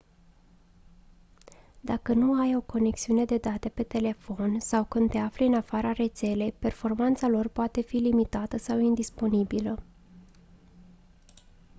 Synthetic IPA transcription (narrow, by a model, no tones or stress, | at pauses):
d̪akənuajo̞ko̞ne̞ksiune̞d̪e̞d̪at̪e̞pe̞t̪e̞le̞fo̞nsawkɨnd̪̚t̪e̞afleɨnafaɾaɾe̞t̪se̞le̞pe̞rfo̞rmant̪salo̞rpoat̪e̞filimit̪at̪əsawind̪ispo̞nibilə